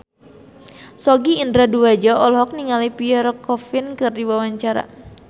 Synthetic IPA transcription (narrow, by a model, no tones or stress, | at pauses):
sɔɡiːndɾaduad͡ʒɔɔlɦɔk̚niŋalipiɛɾɔkɔfɪnkɨrdiwawaɲt͡ʃaɾa̰